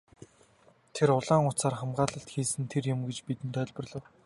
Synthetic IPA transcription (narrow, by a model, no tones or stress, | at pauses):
t̪ʰeɾʊɮaːŋʊt͡saːrχamɢaːɮə̆ɬt̪xiːsɘ̆nt̪ʰerjʊ̆mɡet͡ɕpit̪ɘ̆nt̪œːɮʲpə̆rɮɞ̆w